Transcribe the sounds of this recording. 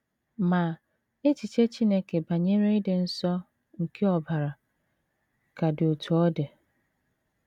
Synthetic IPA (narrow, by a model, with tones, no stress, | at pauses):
ma˨ | e˦t͡ʃi˨t͡ʃe˦t͡ʃi˦ne˦ke˨ba˨ɲe˦ɾe˦dɪ˨n̩˦sɔ˦ | ŋ̩˨kʰe˦ɔ˨ba˨ɾa˨ | ka˨do˨tʰu˨ɔ˦dɪ˨